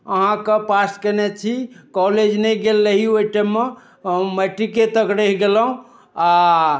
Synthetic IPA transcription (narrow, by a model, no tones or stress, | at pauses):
əɦãkepaskənɛt͡ʃʰikɔled͡ʒnɛjɡelːəɦioiʈɛmːe | məʈːiket̪əkɾeɦɡeləɦũ | a